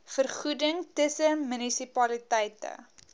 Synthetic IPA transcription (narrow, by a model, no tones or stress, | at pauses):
fərχudəŋtəsəmynisipɐlitɛjtə̰